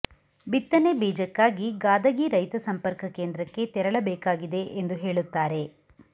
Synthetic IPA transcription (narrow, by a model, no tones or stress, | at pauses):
bit̪ːɐnebiːd͡ʒɐkːaːɡiɡaːd̪ɐɡiɾɐjt̪ɐsɐmpɐɾkɐkeːnd̪ɾɐkːe̞t̪ɛɾɐɭɐbɛːkaːɡid̪e̞ʔend̪uɦe̞ːɭut̪ːaːɾe̞